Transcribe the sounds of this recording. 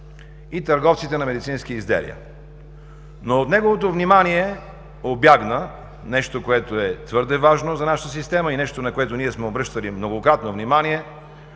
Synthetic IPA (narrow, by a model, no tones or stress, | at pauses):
it̪ɐɾɡɔft̪sit̪ɛnɐmɛd̪it̪sinskiizd̪ɛ̰lḭə̰ | noot̪nɛɡovot̪̬ovnimaniɛ | objaɡnə | nɛʃt̪okoɛt̪oɛt̪vɤɾd̪ɛvaʒnozɐnaʃət̪əsist̪ɛməinɛʃt̪onɐkoɛt̪oniɛsmɛobɾɤʃt̪əlimnoɡokɾat̪novnimanʲiɛ